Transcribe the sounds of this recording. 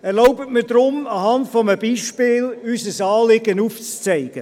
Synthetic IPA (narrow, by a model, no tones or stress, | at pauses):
ɛɾlɔʊbətmɪːɾd̪ɾʊmɑhɑndfɔməbiːʃpɪːlysəsɑːlɪɡənuːft͡st͡sɛɪɡ̥ə